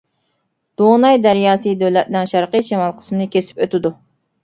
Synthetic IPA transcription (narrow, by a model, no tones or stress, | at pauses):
d̪̥onɑjd̪æɾjɑːsɨd̪øwlɛt̪̚nɪŋʃɑɾqəʃemɑlˠqʰə̥smɪnɨkʲʰesɪ̥pøt̪ʰɪd̪u